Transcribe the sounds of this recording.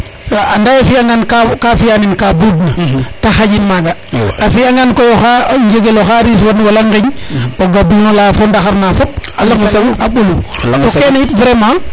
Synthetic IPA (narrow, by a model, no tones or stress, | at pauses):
soandajafijaŋɡankakafijaninkabudnataxaɟinmaɡaafijaŋɡankojoxaɲd͡ʒeɡeloxaɾis̬wanwalaŋɡiɲoɡabuolafondaxaɾnafop̚alaŋɡsemaɓulutokenajitvɾema